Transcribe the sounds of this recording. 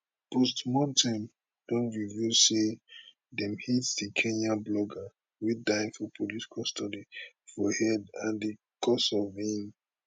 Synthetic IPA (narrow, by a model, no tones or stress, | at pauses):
pɔstmɔ̃ntʰãm | d̥ɔ̃nvijuse | dɛ̃mhitsdikʰẽnãblɔɡa | widãɪ̃nfɔpʰoliskʰɔstɔdi | fɔhɛdãndi | kʰɔsɔvĩn